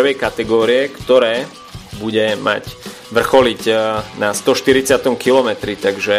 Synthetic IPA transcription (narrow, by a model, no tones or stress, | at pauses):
ʋɛjkat̪ɛɡɔːɾiɛkt̪ɔɾɛː | buɟɛma̰c | ʋr̩xɔlicnast̪ɔʃt̪iɾit͡sɪat̪ɔmkilɔmɛt̪ɾit̪aɡʒɛ